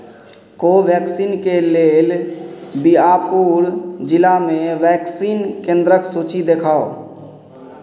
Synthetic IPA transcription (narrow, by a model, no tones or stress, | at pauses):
koʋjɛːksiːnkeleːlbiapuːɾd͡ʒɪlamẽʋɛːksiːnkẽːnd̪ɾəksuːt͡ʃid̪ekʰaːo